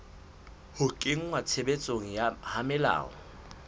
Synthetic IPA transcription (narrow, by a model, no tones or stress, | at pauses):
hʊkʼɪŋ̩ŋwat͡sʰebet͡sʼoŋ̩jahamɪla̰ːɔ